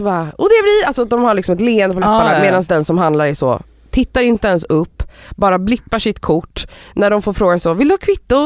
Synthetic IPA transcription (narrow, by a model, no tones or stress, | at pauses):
sɔbɑaɔd̪ɛvlɪalsɔd̪ɔmhaɭɪksɔmɛt̪leːənd̪əpɔlapːanameːd̪ansd̪ɛnsɔmɦand̪laɾæʂɔ̰ː | t̪ʰɪt̪ːaɾɪnt̪əɛnsɵpːbɑːɾablɪpːaʂɪt̪kʰʊʈːnæɖɔmfoːɾfɾoːɡansɔvɪld̪ɵhɑːkʰvɪt̪ːʊ